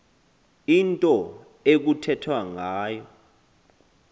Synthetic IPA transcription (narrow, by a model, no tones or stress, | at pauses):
intʼɔ | ek̬utʰɛtʰwaŋaːjɔ